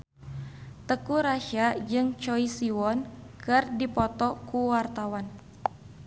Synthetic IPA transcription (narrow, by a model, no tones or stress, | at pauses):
t̪əkuɾaʃad͡ʒɨŋt͡ʃɔisiwɔnkɨrdipɔt̪ɔkuwart̪awan